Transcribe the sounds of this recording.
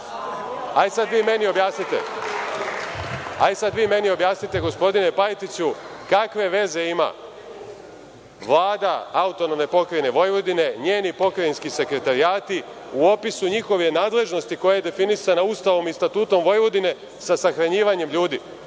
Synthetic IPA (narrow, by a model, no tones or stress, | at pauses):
aisad̪ʋiːme̞nio̞bjaːsnit̪ḛ | aisad̪ʋiːme̞nio̞bjaːsnit̪e̞ɡo̞spo̞d̪ine̞pajt̪it͡ɕukakʋe̞ʋe̞ze̞ima̰ | ʋlˠaːd̪aaut̪o̞no̞mne̞po̞kɾejne̞ʋo̞jʋo̞d̪ine̞ɲe̞ːnipo̞kɾainskise̞kɾe̞t̪aɾijaːt̪i | uo̞pisuɲixo̞ʋje̞naːd̪le̞ʒno̞st̪iko̞jaje̞d̪e̞finisanaust̪aʋo̞mist̪at̪uːt̪o̞mʋo̞jʋo̞d̪ine̞ | sasaxɾaɲiːʋaɲe̞mʎuːd̪i